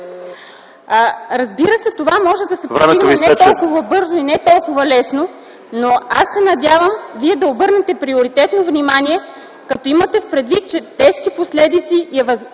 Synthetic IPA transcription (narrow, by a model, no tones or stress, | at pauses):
ɾɐzbiɾəsɛt̪ovamɔʒɛd̪ɐsɛposiɡmɛnɛt̪ɔlˠkʊvəbɤɾzoinɛt̪ɔlˠkʊvɐlɛsno | noa̰sːɛnɐd̪ʲjavəmviɛd̪ɐobɤɾnɛt̪ɛpɾioɾit̪ɛt̪novnimaniɛ | kɐt̪ɔimət̪ɛfpɾɛd̪vit̪̚t͡ʃɛt̪ɛʃkiposlɛd̪it̪siɛvɐz